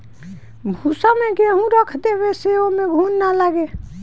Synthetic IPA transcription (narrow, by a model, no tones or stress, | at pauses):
bʱuːsamẽɡeɦũɾəkʰt̪eweseomẽɡʱuːnnalaɡeː